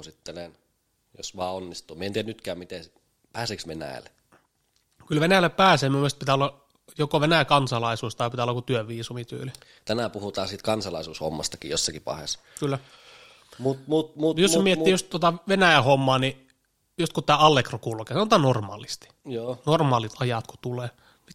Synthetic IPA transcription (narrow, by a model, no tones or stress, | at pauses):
osit̪ːenen | jo̰sʋɑːonːist̪uːmient̪ienyt̪kæːmit̪e | pæːseːksʋenæ̰æ̰le | kylʋenæjælːˑeppæːseːmyumːˑelst̪pit̪æːˑolːɑ | jokoʋenæjækɑnsɑlɑisuːst̪ɑipit̪æolːɑkut̪yøʋiːsumit̪y̰ːli | t̪ænæpuhut̪ɑːsiːt̪kɑnsɑlɑisuːsho̰mːɑ̰st̪ɑkḭjosːɑkipɑ̰hḛskylːæ | mut̪mut̪mujossmiet̪ːiːjost̪uot̪ɑʋenæˑjæhomːɑːni | jost̪kutt̪æːɑlːekrokulukesɑnot̪ɑːnnormɑ̰ːlist̪i̥joːnormɑːlit̪ʰɑjɑt̪ku̥t̪uleː | mi